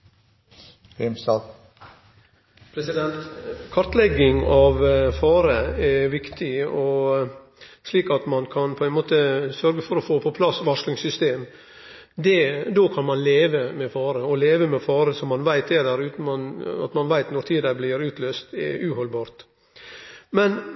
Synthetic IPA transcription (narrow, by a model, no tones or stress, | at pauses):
ɪmsɑ | pʰɾɛsɪd̪ɛnt̪kʰɑɾt̪lɛɡɪŋɑʋfɑːɾəɛʋɪkt̪ʰɪɔ | ʂliːkɑt̪mɑnkʰɑnpʰɔænmoːt̪əsœɾɡəfɔɾɔfoːpʰɔpʰlɑsʋɑʂlɪŋsʏst̪eːm | d̪ɛd̪oːkʰɑnmɑnleːʋəmɛfɑːɾəɔleːʋəmɛfɑːɾəsɔmːɑnʋæɪt̪ɛd̪æɾʉːt̪n̩mɑnɑ̰t̪mɑnʋæɪt̪nɔɾt̪ʰiːd̪əblɪɾʉːt̪ʰløːst̪ɛ̰ʉːhɔlbɑːɾt̪ | mɛn